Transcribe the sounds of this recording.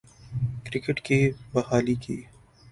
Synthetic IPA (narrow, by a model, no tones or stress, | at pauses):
kɾɪkɪʈkibɐhaːlikiː